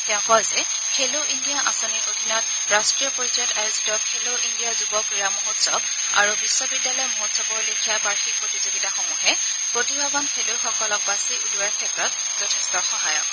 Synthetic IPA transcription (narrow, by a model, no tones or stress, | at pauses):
tɛɔ̃pɔlzɛ | kʰeloʔindijaʔasɔniɹʔodʱinɔt̚ | ɹastɹijɔpoɹiɔtajuzitɔkʰeloʔindijazubɔkɹiɹamoɦutsɔb | a̰ɹubisːɔbidːalɔjmoɦotsɔpɔɹlikʰijabaɹxik̚pɹotizoɡitaxomuɦɛ | pɹotibʱabɔnkʰeloxɔkɔlɔk̚basiʔuduaɹkʰɛtɹɔt̚ | zɔtʰɛstɔxɔɦajɔk̚